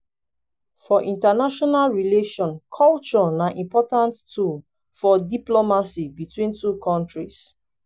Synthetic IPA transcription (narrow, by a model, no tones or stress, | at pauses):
fɔʔĩntanaʃɔnalɹileʃɔ̃nkʰɔlt͡ʃɔnaʔĩmpɔtãnttul | fɔdiplomasibitwĩntukʰɔ̃ntɹis